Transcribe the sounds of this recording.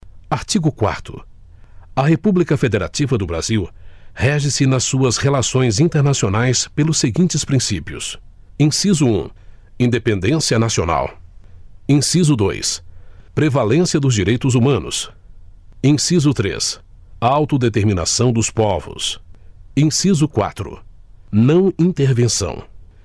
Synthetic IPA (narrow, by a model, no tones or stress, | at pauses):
aɾt͡ʃiɡʊkwa̰ɾt̪ʊ̰ | ɐɦepublikɐfed̪eɾa̰t͡ʃivɐd̪ʊbɾa̰ziwhɛʒɪsɪnɐsːuɐshelasõj̃zĩnt̪eɾnasionajspelʊseɡĩnt͡ʃɪspɾĩsipiʊ̰s | ẽsizʊṵ̃ | ĩnd̪epẽnd̪ẽsiɐnasiona̰w | ẽsizʊd̪o̰jspɾevalẽsiɐd̪ʊzd͡ʒiɾejt̪ʊzumɐ̃nʊ̰s | ẽsizʊt̪ɾḛs | awt̪ʊd̪et̪eɾmĩna̰sɐ̃w̃d̪ʊspɔvʊ̰s | ẽsizʊkwa̰t̪ɾʊ̰nɐ̃w̃ĩnt̪eɾvẽsɐ̰̃w̃